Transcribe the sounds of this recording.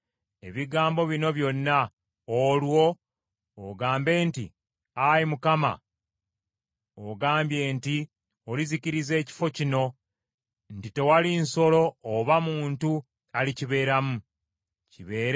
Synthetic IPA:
e̞̰βiɡaːmbo̞βino̞βjo̞nːa | olwo̞ː | ɡaːmbe̞ːntḭ | ajimukama̰ | oɡaːmbje̞ːnti | oliziciɾize̞ːci̥fo̞cino̞ | ntite̞walinso̞lo̞ːβamuːntu | aliciβe̞ːɾamu | ciβe̞ːɾ

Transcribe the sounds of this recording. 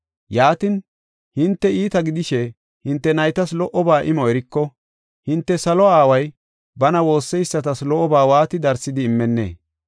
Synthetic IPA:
jaːt̪ɪn | hɪnt̪ːɛiːt̪ɐɡɪd̪ɪʃɛ | hɪnt̪ːɛnɐjt̪ɐslɔʔɔbaːʔɪmɔɛɾɪkːɔ | hɪnt̪ːɛsɐlɔaːwɐj | bɐnɐwo̞ːsːɛjsːɐt̪ɐslɔʔɔbaːwaːt̪ɪd̪ɐɾsːɪd̪ɪːmːɛnːḛː

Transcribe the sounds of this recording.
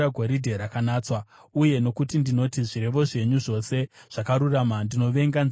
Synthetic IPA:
aɡʱoɾidʱe̞ɾakanaːt͡swa | uje̞no̞kutindino̞tiʐiɾe̞ʋo̞ʐe̞ɲuʐo̞se̞ʐ̥akaɾuramandino̞ʋe̞ŋɡanz

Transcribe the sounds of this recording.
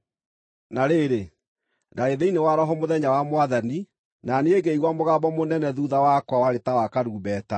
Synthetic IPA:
naɾeːɾe | daɾeðeinewaɾɔɦɔmoðɛɲawamwaðani | naneeɡeiɣwamoɣabɔmonɛnɛðuðawakwawaɾetawakaɾuːbɛːta

